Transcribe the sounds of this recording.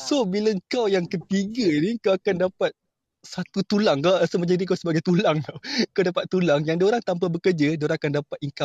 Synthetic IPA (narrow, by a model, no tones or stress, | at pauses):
sohbilaŋkawjaŋkət̪iɡaniŋkawakandapat̪̚ | sat̪ut̪ulaŋkaasəməd͡ʒadikawsəbaɡajt̪ulaŋkaŋkawdapat̪ːulaŋjaŋdaoɾaŋt̪amp̬abəkərd͡ʒadaoɾaŋakandapat̪̚iŋkap̚